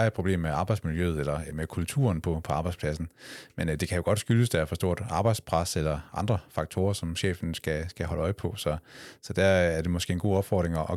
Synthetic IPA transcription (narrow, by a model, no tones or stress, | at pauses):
ed̥̚pʰʁob̥le̝̰ːmːeɑ̈b̥ɑ̈ɪd̥smiljøð̩ˠelɐmekʰult͡sʰṵɐnpʰɒ̽pʰɒ̽ɑ̈ːb̥ɑɪdspʰlæsn̩mend̥e̝kʰæjo̝ɡ̥ɒ̽d̥sɡ̥yləsd̥ææɐfɒ̽sd̥o̝ɐ̰d̥ɑ̈ːb̥ɑ̈ɪd̥spʰʁɑselɐʔɑ̈nd̥ʁɐfɑ̈ɡ̥̚t͡sʰo̝ːɐsɒ̽mɕḛːfn̩sɡ̥æsɡ̥æɦɒ̽ləɒ̽ɪpʰɒ̽sɒ̽sɒ̽d̥æɐæɐd̥e̝mɒ̽sɡ̥e̝ːenɡo̝̰ːɒ̽b̥fɒ̰ːd̥ʁeŋɒʔɒ